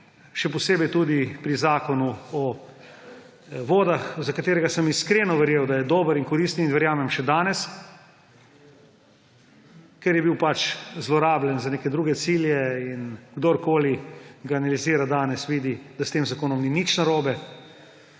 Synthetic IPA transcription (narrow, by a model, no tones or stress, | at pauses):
ʃɛpɔseːbɛjt̪uːd̪ipɾizaːkɔnuɔ | ʋoːd̪axzakat̪eːɾɛɡasəmiskɾeːnɔʋɛɾjeːwd̪ajɛd̪oːbəɾiŋkɔɾist̪ninʋɛɾjaːmɛmʃɛd̪aːnɛs | kɛɾjɛbiwpat͡ʃzlɔɾaːblɛnzaneːkɛd̪ɾuːɡɛt̪siːljɛinɡd̪oɾkoːliɡaːnaliziːɾad̪aːnɛsʋiːd̪id̪ast̪eːmzakoːnɔmninit͡ʃnaɾoːbɛ